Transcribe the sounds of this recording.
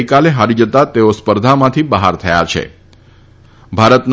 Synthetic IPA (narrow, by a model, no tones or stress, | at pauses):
jkaleɦaɾid͡ʒət̪at̪eospəɾd̪ʱamãt̪ʰibəɦaɾt̪ʰəja̰t͡ʃʰḛ | bʱaɾət̪n